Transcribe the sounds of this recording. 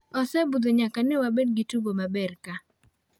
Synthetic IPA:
ɔsɛbud̪ɔɲakanɛwabɛdɡɪtubomabɛrka

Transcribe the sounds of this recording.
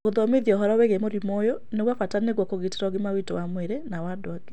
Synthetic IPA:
oðɔmeðiɔɦɔɾɔwɛɣemoɾimɔjɔneɣwafataneɣwɔkoɣete̥ɾɔɣimawitɔwamwɛɾenawadoaɡe̥

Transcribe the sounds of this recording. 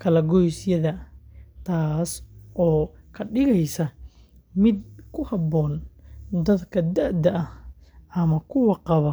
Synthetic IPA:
kʰɐlɐɡɔjsjɐðɐt̪ʰaːsɔːkʰɐɖɪɣɛjsɐ | mɪd̪̚kʰʊhɐbɔːnd̪ɐd̪kʰɐd̪ɐʕd̪ɐɐh | ɐmɐkʰʊwɑqɑβɐ

